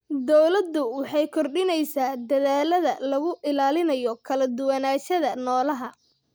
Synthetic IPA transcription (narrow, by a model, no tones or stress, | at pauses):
d̪ɔwlɐd̪ːʊwɑħɑjkʰɔrɗɪnɛjsaːd̪ɐðaːlɐðɐlɐɣʊʔɪlaːlɪnɐjɔkʰɐlɐd̪ʊwɐnaːʃɐðɐnɔːlɐɦɐ